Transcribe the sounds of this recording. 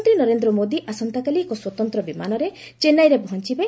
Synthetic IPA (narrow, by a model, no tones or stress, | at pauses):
nt̪ɾinɔɾend̪ɾɔmod̪iʔasɔnt̪akaliekɔswɔt̪ɔnt̪ɾɔbimanɔɾe | t͡ʃenajɾepɔɦɔnt͡ʃibe